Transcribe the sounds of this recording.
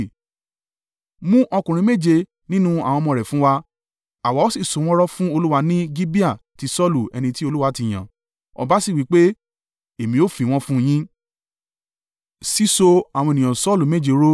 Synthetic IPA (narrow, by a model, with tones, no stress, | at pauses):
mũ˦ʔɔ˧kũ˨ɾ̃ĩ˧˦me˦˨d͡ʒe˧ | nĩ˦nũ˦a˨w̃ɔ̃˧mɔ̃˧˨ɾɛ˨fũ˨˦wa˧ | a˨wa˨˦o˦si˦˨so˨˦w̃ɔ̃˦ɾɔ˦fũ˦o˧lu˦wa˧nĩ˦ɡi˦bi˦a˦˨ti˧˦sɔ˦lu˨ɛ̰˧nĩ˧ti˦o˧lu˦wa˧˦ti˧˨j̃ã˨ | ɔ̰˧ba˦si˦˨wi˨˦k͡pe˦ | e˨mĩ˧o˦˨fi˨w̃ɔ̃˦fũ˦j̃ĩ˦ | si˦so˧a˨wɔ̃˧e˨nĩ˨ã˨sɔ˦˨lu˨me˦˨d͡ʒe˨˧ɾo˦